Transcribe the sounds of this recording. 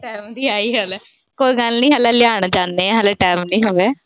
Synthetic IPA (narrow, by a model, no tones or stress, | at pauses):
ʈɛːmd̪iːaːiːɦaːlaː | koːiːɡəlnĩːɦaːlaːlɪjaːɳ̃d͡ʒaːneːɛːɦaːlaːʈɛːmnĩːɦoːʋeː